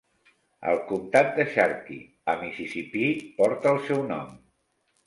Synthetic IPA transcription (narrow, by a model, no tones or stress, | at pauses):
ə̰lˠkumt̪at̪̚d̪əʃaɾkḭ | əmisisipipɔɾt̪əːlˠsɛwnɔ̰m